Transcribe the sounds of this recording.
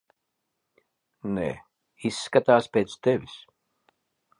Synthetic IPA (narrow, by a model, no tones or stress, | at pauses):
nḛː | isːkat̪aːspʲejt̪st̪ɛvʲis